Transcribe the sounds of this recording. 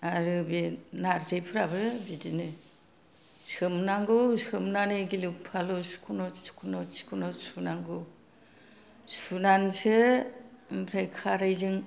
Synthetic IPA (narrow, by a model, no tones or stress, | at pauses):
aɾɯbinaɾzejpʰɯɾabɯbidinɯ | sɯmnaŋɡɯwsɯmnaneɡilupʰalusu̥kʰunɔskʰunɔsi̥kʰunɔsunaŋɡɯ | sunansʰɯ | bʰɾejkʰaɾajzɯŋ